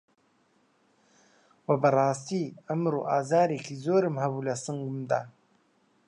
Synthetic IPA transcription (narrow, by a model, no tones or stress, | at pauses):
wɐbɐrˤɑːst̪iːɐmɾṵʔaːzɑːɾeːkʰizoːɾɨmhɐbulɐsɨŋɡumd̪a̰ː